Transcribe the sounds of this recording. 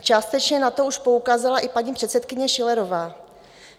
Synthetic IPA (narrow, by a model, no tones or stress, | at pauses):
t͡ʃaːst̪ɛt͡ʃɲɛnat̪o̞uʃpo̞ukaːzalaʔɪpaɲiːpr̝̥ɛt̪sɛt̪kɪɲɛʃɪlɛɾo̞vaː